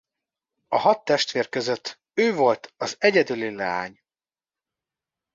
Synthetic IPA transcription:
ɒhɒt̪ːɛʃt̪ʋeːrkøzøt̪ʰː | øːvo̞lt̪ʰɒzɛɟɛd̪ylilɛ̰a̰ːɲ

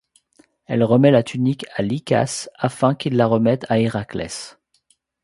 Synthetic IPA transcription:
ɛlʁəmɛlat̪ʰynikalika̰safɛ̃kilːaʁəmɛt̪aiʁaklɛ̰s

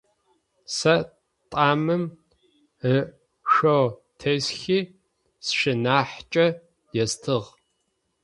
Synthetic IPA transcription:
sɐ | tʼaːmɨm | ə | ʃotʰesxiː | sʃɪnaːħt͡ʃʼɐ | jɛstʰɨʁ

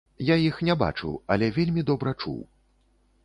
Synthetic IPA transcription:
jajixnʲɛba̰t͡ʂṵwɐlʲɛvʲelʲmʲid̪ɔbɾɐt͡ʂṵw

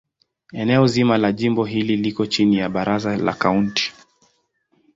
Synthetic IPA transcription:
ɛnɛɔzimalaʄimbɔɦililikɔt͡ʃinijaɓaɾazala̰kaunti̥

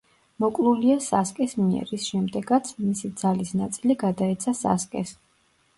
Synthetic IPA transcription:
mɔkʼlˠuliasaskʼɛsmiɛ̰ɾisʃɛmd̪ɛɡat̪sʰmisid̪zalisnat̪sʼiliɡad̪aɛt̪sʰasa̰skʼɛ̰s

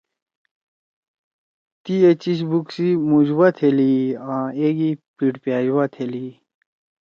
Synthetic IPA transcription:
t̪iet͡ɕiɕ̬buksimud͡ʑwat̪ʰeliãeɡipiʈpjaːd͡ʑwat̪ʰeli

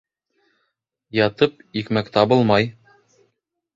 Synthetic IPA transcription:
jɒt̪ɤpikmækt̪ɑbɤlˠmɑj

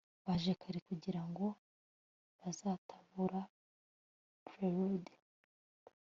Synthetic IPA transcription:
βaʒekʰaɾikuɟiɾaŋɡo̞ | βazaːtʰḁβuɾa | pɾeɾude

